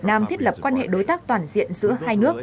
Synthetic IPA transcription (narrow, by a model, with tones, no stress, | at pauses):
naː˧mt̪ʰi˦˥ət̚lə˨˩p̚kwaː˧nhḛ˧˨ɗo˨˦jt̪aː˦˥k̚t̪waː˨˩nzḭ˧˨ənzɨ̰˧˥əhaː˧jnɨ˦˥ək̚